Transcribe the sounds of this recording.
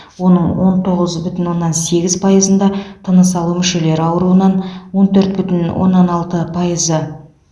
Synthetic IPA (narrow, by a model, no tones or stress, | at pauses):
wo̞nəɴwo̞nt̪ʰo̞ʁəzbʏt̪ɪnwo̞nːɑnse̞ɡʲɪzpʰɑjəzənd̪ɑt̪ʰɑnəsɑlˠumʏʃe̞le̞ɾɑwɾuənɑnwo̞nt̪ʰɵɾt̪̚bʏt̪ɪnwo̰nːɑnɑlˠt̪əpʰɑjəzə